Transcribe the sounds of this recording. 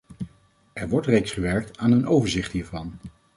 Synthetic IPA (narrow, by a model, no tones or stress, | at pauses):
ʔɛɹʋɔɹtrejksχəʋɛɹk̚taːnənowvəɹzɪχtɦiːɹvɑn